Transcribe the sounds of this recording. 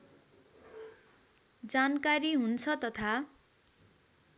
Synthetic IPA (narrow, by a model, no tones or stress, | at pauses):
d͡zankaɾiɦunt͡sʰʌt̪ʌt̪ʰa